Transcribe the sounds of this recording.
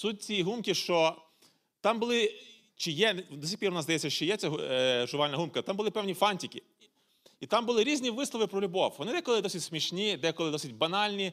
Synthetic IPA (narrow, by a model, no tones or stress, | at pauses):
sut̚ʲt͡sʲijiɦumkɪʃt͡ʃɔ | t̪ɑmbʊlˠɪ | t͡ʃɪjɛd̪ɔsʲixpʲirʲʊnɑzd̪ɐjɛt͡sʲːɐʃt͡ʃɔjɛt͡sʲɛɦʒʊʋɑlʲnɐɦumkɐt̪ɑmbʊlˠɪpɛwnʲifɑnʲtʲikʲɪ | it̪ɑmbʊlˠɪɾʲizʲnʲiʋɪslˠɔʋɪpɾɔlʲʊbɔwʋɔnɪd̪ɛjkɔlˠɪd̪ɔsʲɪtʲsmʲiʃnʲid̪ɛjkɔlˠɪd̪ɔsɪt̚ʲbɐnɑlʲnʲi